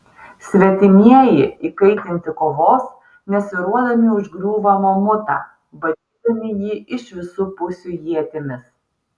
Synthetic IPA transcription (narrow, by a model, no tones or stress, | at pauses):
sʲʋʲɛt̪ʲɪmʲiɛjɪiːkɐɪt̪ʲɪnʲt̪ʲɪkoːʋoːs | nʲɛsʲʊɾuɔd̪ɐmʲɪʊʒɡɾʲuːʋɐmoːmʊt̪ɑː | bɐd̪ʲiːd̪ɐmʲɪjiːɪʃʋʲɪsuːpʊsʲuːjiɛt̪ʲɪmʲɪs